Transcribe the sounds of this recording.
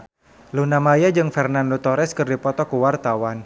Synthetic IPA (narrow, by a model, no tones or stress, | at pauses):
lunamajad͡ʒɨŋfɛrnandot̪ɔɾɛskɨrdipɔt̪ɔkuwart̪awan